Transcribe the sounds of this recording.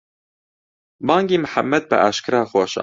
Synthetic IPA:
bɑːŋɡiːmɨħamːɛd̪̚bɨ̰ʔaːʃkʰɨɾaːxoːʃɑ̰

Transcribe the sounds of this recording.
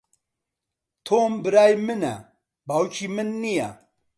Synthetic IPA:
t̪ʰoːmbɨɾaːjmɨnɛ̰ | bawt͡ʃʰimɨnːijɛ̰

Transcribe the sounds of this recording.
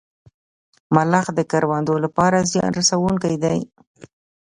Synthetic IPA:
malaxd̪əkaɾwand̪olapɑɾazjɑ̰nɾasawuŋkajd̪aj

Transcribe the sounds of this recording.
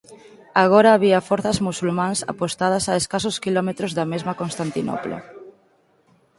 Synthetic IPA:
aɣɔɾaːβiɐfɔɾθɐzmusulmãŋsa̰post̪að̞ɐsaeskasʊskilɔmet̪ɾozðɐmezmɐkonst̪ant̪inɔ̰plo̰

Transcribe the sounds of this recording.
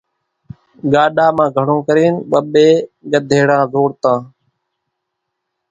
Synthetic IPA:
ɠaːɗaːmãːɡʱəɽ̤õːkəɾeːnɓəɓeːɠəd̪ʱeːɽãːzoːɽt̪ãː

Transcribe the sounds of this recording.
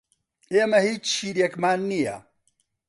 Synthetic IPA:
eːmɐhiːt͡ʃt͡ʃʰiːɾjekmaːnːijɐ̰

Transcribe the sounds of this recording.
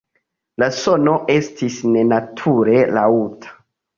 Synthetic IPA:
laso̞no̞ʔe̞stʰisne̞natʰuɾe̞la̰utʰḁ

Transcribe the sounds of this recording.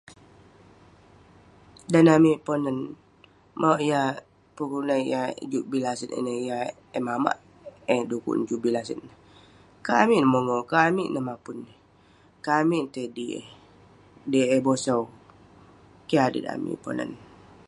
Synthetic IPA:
danamiponən | maʔja | pukulajad͡ʒuʔbilasənḛnəja | ɛmama̰ʔ | ɛdukṵʔnd͡ʒuʔbilasən | kamiʔnəmoŋokamḭʔnəmapun | kamiʔnt̪ediḛ | deebosaw | kiadə̰na̰mḭpo̰nə̰n

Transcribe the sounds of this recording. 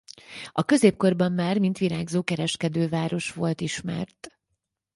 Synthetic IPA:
ɒkø̞zeːp̚ko̞rbɒmːaːrmint̪ʋiɾaːɡzoːkɛɾɛʃkɛd̪øːvaːɾo̞ʃʋo̞lt̪iʃmɛ̰rt̪

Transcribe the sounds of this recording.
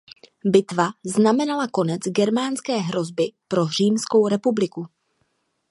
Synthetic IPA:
bɪt̪vaznamɛnalako̞nɛt͡sɡɛɾmaːnskɛːɦɾo̞zbɪpɾo̞r̝iːmsko̞wɾɛpublɪku

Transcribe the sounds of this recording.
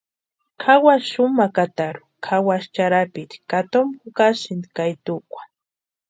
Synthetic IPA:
kʰawaʃʊmakat̪aɾʊ̥kʰawaʃt͡ʃaɾapɪt̪kat̪omʊkaʃɪnd̪kajt̪ʊkʷḁ

